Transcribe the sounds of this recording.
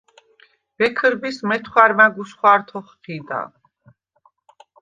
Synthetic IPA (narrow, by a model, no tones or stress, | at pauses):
vɛkʰəɾbismɛt̪ʰχwaɾmaɡusχwaɾt̪ʰɔχqid̪a̰